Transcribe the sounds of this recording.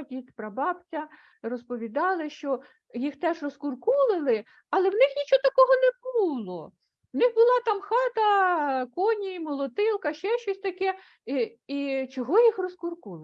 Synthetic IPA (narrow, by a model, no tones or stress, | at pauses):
tʲit̪pɾɐbɑbt͡sʲɐ | rɔspɔʋʲid̪ɑlˠɪʃt͡ʃɔ | jixt̪ɛʒrɔskʊrkulˠɪlˠɪ | ɐlˠɛwnɪxnʲit͡ʃɔt̪ɐkɔɦɔnɛbulˠɔ | wnɪxbʊlˠɑt̪ɑmxɑt̪ɐkɔnʲimɔlˠɔt̪ɪlˠkɐʃt͡ʃɛʃt͡ʃɔsʲt̪ɐkɛ | it͡ʃɔɦɔjixrɔskʊrkulˠ